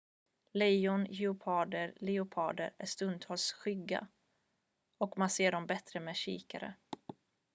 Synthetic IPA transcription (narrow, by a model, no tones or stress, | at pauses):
lɛjʊnjɛʊpʰɑːd̪əɾlɪʊpʰɑːd̪ə̰ɾæ̰ʂt̪ɵnd̪hɔlsɧʏɡːa̰ | ɔkmanseːɖɔmbɛt̪ɾəmɛːɕḭːka̰ɾə̰